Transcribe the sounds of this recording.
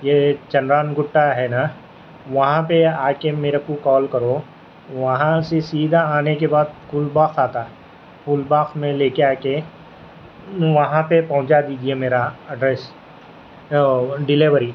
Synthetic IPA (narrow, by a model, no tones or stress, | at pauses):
jeːt͡ʃɐnɾaːnɡʊʈːaɦɛna | ʋɐɦãpeaːkemeːɾekokɔːlkɐɾo | ʋɐɦãsesiːd̪ʱaaːnekebaːd̪̚kʰuːlbaːxaːt̪a | fʰuːlbaːxmẽleːkeaːke | ʋɐɦãpepɐɦʊ̃t͡ʃad̪iːd͡ʒiemeːɾaɐɖɾɛːs | ɖɪleʋəɾi